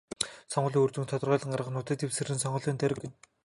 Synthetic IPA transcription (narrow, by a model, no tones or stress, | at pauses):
sɔɴɢɞ̆ɮiːŋɵrt̪ɘ̆ŋt̪ʰɔt̪ɞ̆rʁœːɮə̆ɴɢarʁə̆χnʊːt̪eːt̪iwsɘ̆rɘ̆nsɔɴɢɞ̆ɮiːnt̪ʰæɾɘ̆kɘ̆n